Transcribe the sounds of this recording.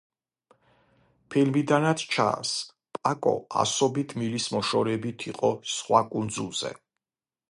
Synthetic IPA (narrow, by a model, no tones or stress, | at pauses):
pʰilmid̪anat̪ʰt͡ʃʰa̰s | pʼakʼɔ̰a̰sɔbit̪ʰmilismɔʃɔɾɛbit̪ʰiqʼɔsχwakʼund̪zulˠz̥ɛ̰